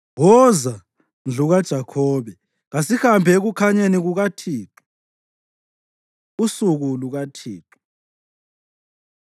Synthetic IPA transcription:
ɣɔza | nd͡ɮʱuɣad̥ʒ̥ʱakʰɔːβɛ | ɣasihambʱɛeɣukʰaɲeniɣuɣatʰiːtʰu̥ | usuɣuluɣatʰiːǁʰu̥

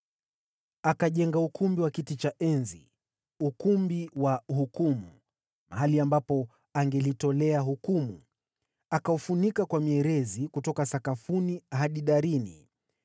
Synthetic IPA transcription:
akaʄɛŋɡaukumbiwakitit͡ʃaʔɛnzi | ukumbiwahukumu | ma̰ɦaliambapɔ | aŋɡɛlitɔlɛaɦukumu | akaufunikakwamiɛɾɛzikutɔkasakafuniɦaɗiɗaɾinḭ

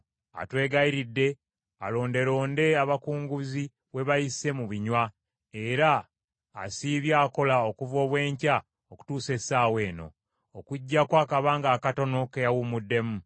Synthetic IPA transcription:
a̰twe̞ːɡaiɾidːe̞ | a̰lo̞ːnde̞ɾo̞ːnde̞aβakuːŋɡuzi | βwe̞βajise̞muβiɲwa | e̞ɾa̰ː | siːβjaːko̞lao̞kuvo̞ːβwe̞ːɲca | oku̥tuːse̞saːwe̞ːno̞̰ | okuɟːakwaːkaβaːŋɡaːkato̞no̞kejawumudːe̞mu

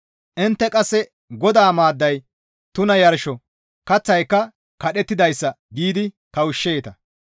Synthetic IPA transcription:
ʔɪnt̪ːɛkʼɐsːɛ | ɡɔd̪aːmaːd̪ːɐj | t̪ʊnɐjɐɾʃɔ | kɐt͡sːɐjkːɐ | kɐɗɛt̪ːɪd̪ɐjsːɐ | ɡiːd̪ɪ | k̪ɐwʊʃːeːt̪ɐ

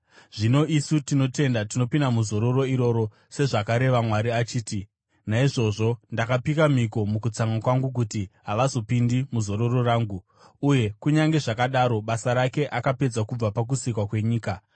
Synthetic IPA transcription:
ʐino̞isutino̞te̞ndatino̞pindamuzo̞ɾo̞ro̞iɾo̞ɾo̞ | se̞ʐakaɾe̞ʋamwaɾiat͡ʃiːti | naiʐo̞ʐo̞ndakapikamiko̞mukut͡saŋakwaŋɡuk̬utiɦaʋazo̞pindimuzo̞ɾoro̞raːŋɡu | uje̞kuɲaŋɡe̞ʐakaɗaɾo̞ɓasaɾake̞ʔakape̞d͡zakub͡vapak̬usikwakwe̞ɲiːka

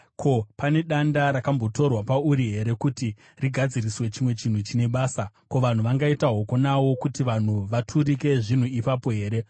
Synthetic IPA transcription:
kʰo̞pane̞ɗandaɾakambo̞to̞rwapauɾiɦe̞ɾe̞kuti | riɡʱad͡ziriswe̞t͡ʃimwe̞t͡ʃin̤ut͡ʃine̞ɓaːsako̞ʋan̤uʋaŋɡaitaɦo̞ko̞nawo̞kutiʋan̤uʋatʰuɾike̞ʐin̤uipapo̞ɦe̞ːɾe̞

